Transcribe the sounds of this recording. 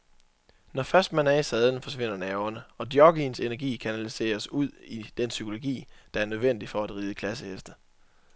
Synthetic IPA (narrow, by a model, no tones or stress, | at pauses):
nɒfɶɐsd̥mænɛɐisɛð̞ˠn̩fɒ̽sʋe̝n̰ɐnɛːʊɐnəɒ̽d̥jɒ̽ɡ̥inse̝næɐɡ̥ḭːkʰænælise̝̰ːɐsuð̞̰ˠid̥ensykʰo̝lo̝ɡ̥ḭːd̥ɑ̈æɐnøð̞ˠʋen̰d̥ifɒ̽æd̥ʁiːð̞ˠəkʰlæsəhesd̥ə